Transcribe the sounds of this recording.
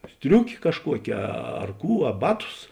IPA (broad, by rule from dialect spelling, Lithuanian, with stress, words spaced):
ˈsʲtʲrʲʊkʲeː kɐʃˈkuɔkʲeː ˈɐr ˈkuː ɐ ˈbɑːˌtʊs